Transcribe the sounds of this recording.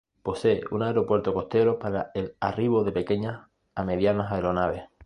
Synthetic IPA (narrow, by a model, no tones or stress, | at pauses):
po̞se̞eunaeɾo̞pwe̞ɾt̪oko̞ht̪e̞ɾo̞paɾaelariβo̞ðe̞pe̞ke̞ɲas | ame̞ðjanasaeɾo̞naβ̞e̞h